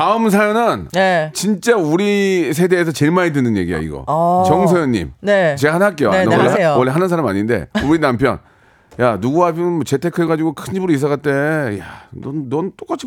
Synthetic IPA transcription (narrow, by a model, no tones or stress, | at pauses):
taɯms̬ʰajonɯnnet͡ɕint͡ɕ͈auɾis̬ʰe̞de̞ːs̬ʰʌt͡ɕe̞ɭmaidɯnɯnje̞̰ɡija̰ḭɡʌ̰t͡ɕʌŋs̬ʰʌjʌɲːḭmnet͡ɕe̞ɡahanɦak͈ejoaʌɭːowʌɭːeɦanɯnsʰaɾamaɲinde̞̰uɾinampʰjʌ̰n | januɡuapʰjʌnɯnmʌt͡ɕe̞tʰe̞kʰɯɭɡad͡ʑiɡokʰɯnɕibɯɾois̬͈ʌɣat͈e̞janʌnːʌnt͈ok͈at͡ɕʰi̥